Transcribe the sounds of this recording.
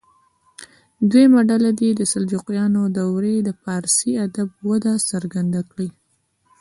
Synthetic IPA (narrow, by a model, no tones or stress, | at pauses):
d̪wemaɖalad̪id̪əsald͡ʒuqjɑnod̪awɾed̪əpɑɾsiad̪ab̚wad̪asaɾɡand̪akɽi